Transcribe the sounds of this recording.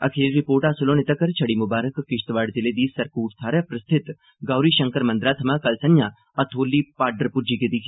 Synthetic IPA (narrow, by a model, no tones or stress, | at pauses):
ɐ̰kʰeːɾːɪpoːɾʈaːsʊlõnɪt̪əkɐɾt͡ʃʰɐɽimʊbaːɾəkːɪʃt̪ʋaːɖzɪled̪iːsɐɾkuːʈt̪ʰaːɾɐpɾɐst̪ʰɪt̪ | ɡaːwɾiʃɐ̃ŋkəɾmɐ̃nd̪ɾaːt̪ʰɐmakɐlsɐnja | ɐt̪ʰoːlːipaːɾɖəɾpʊɾd͡ʒiked̪iːkʰ